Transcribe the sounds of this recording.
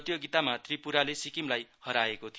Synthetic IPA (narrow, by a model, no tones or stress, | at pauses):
t̪joɡit̪amat̪ripuɾalesikimlajhʌɾaekot̪ʰi